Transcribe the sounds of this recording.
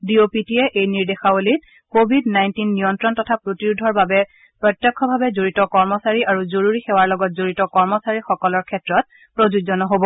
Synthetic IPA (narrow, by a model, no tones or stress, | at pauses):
diopitiɛʔejniɹdexaolit̚ | kobʱidnajntinːijɔntɹɔntɔtʰapɹotiɹudʱɔɹbabɛ | pɹɔtjɔkʰːɔbʱabɛzoɹitɔkɔɹmɔsaɹiʔaɹuzoɹuɹixewaɹlɔɡɔt̚zoɹitɔkɔɹmɔsaɹixɔkɔlɔɹkʰɛtɹɔt̚ | pɹozuzɔnɔɦobɔ